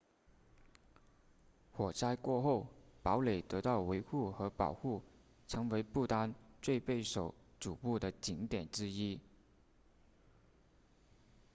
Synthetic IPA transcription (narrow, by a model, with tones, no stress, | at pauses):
xwɔ˨˩t͡sʰa˥ɪkwɔ˥˧xo˥˩ʊpɑ˧˥ʊle˨˩ɪt̪ɤ˧˥t̪ɑ˥˩ʊwe˧˥ɪxu˥˩xɤ˧˥pɑ̰˨˩ʊxu˥˩ | ʈ͡ʂʰɤ˧˥ŋwe˧˥ɪpu˥˩t̪a˥nt͡swe˥˧ɪpe˥˩ɪʂo˨˩ʊʈ͡ʂu˨˩pu˥˩d̪ə˩t͡ɕi˧˥ŋt̪jɛ˨˩nʈ͡ʂɻ̩˥i˥